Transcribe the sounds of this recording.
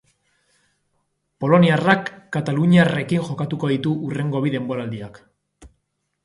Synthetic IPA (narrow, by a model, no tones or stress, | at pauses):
po̞lo̞niarakːat̪aluɲiare̞kinxo̞kat̪uko̞ðit̪uʔure̞ŋɡo̞βiðe̞mbo̞ɾald̪iak